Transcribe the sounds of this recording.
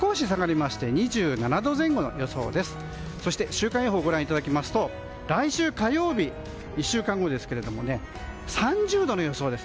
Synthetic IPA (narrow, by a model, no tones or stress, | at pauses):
ko̞ːɕisaɡaɾʲimaɕi̥t̪e̞ɲ̟iʑɨːnanad̪o̞zẽ̞ŋɡo̞no̞̰jo̞so̞̰ːd̪e̞sɨ̥ | so̞ɕi̥t̪eɕɨːkãɰ̃joɦoːɡo̞ɾãit̪ad̪akʲimasɨ̥t̪o̞ | ɾaiɕɨːkajo̞ːbʲi | iɕːɨːkãŋɡo̞d̪e̞sɨ̥ke̞ɾe̞d̪o̞mo̞̰ne̞ | sãɲ̟d͡ʑɨːd̪o̞no̞jo̞so̞ːd̪e̞sɨ̥